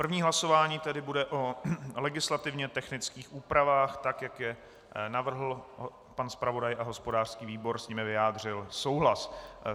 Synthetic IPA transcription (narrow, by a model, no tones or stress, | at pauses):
pr̩vɲiːɦlaso̞vaːɲiːt̪ɛdɪbudɛʔo̞lɛɡɪslat̪ɪvɲɛt̪ɛxnɪt͡skiːxʔuːpɾavaːxt̪akjakjɛ | navr̩ɦl̩ | panspɾavo̞dajʔaɦo̞spo̞daːr̝̥skiːviːbo̞ɾsɲiːmɪvɪjaːd̪r̝ɪlso̞wɦlas